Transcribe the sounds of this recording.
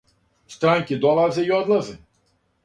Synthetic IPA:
st̪ɾaŋʲkʲid̪ɔlˠazɪjɔd̪lˠɐzɪ

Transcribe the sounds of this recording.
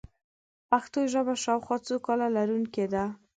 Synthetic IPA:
paxt̪oʒəbaʃawxwɑt͡sokɑlalaɾuŋked̪a

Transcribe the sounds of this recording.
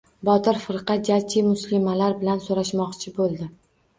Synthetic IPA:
bɒt̪ɪɾfɨɾqɑd͡ʒat͡ʃʰɪmʊslɪmalaɾbɪlansoɾaʃmɒqt͡ʃʰɪbolˠd̪ɪ

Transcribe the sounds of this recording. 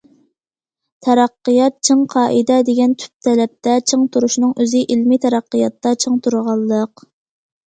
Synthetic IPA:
t̪ʰɛɾɑqːijɑt̪̚t͡ʃʰəŋqʰɑːʔid̪ɛd̪eɡʲɛnt̪ʰy̥p̚t̪ʰɛlɛp̚t̪ʰɛt͡ʃʰɨŋt̪ʰuɾuʃnɨŋøzɪʔilmit̪ʰɛɾɑqːijɑt̪ːɑt͡ʃʰəŋt̪ʰuɾʁɑlˠːəq

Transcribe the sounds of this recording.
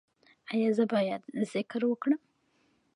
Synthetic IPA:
ajɑzəbɑjad̪z̥ɪkɾwəkɽəm

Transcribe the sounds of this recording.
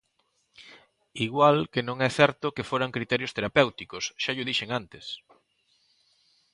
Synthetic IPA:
iɣwalkenõŋɛθɛɾt̪ʊkefoɾaŋkɾit̪ɛɾjost̪eɾapewt̪ikosʃaʎʊðiʃeŋant̪es

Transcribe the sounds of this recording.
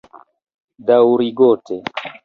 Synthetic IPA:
dawɾiɡɔte

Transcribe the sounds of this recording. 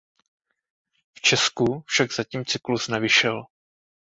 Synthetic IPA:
ft͡ʃɛskufʃaɡzaciːmt͡sɪklusnɛvɪʃɛl

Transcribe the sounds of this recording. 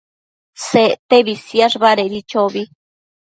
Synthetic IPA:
set̪ebisjaʐbaɾeɾit͡ʃobi

